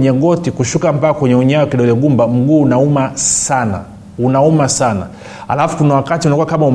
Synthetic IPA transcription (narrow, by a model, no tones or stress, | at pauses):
ɲɛɡɔtikuʃukam̩paakwɛɲɛuɲawakiɗɔlɛɡumbam̩ɡuːnaumasana̰ | unaumasana̰ | ha̰lafu̥kunawakatiunakuwakamaum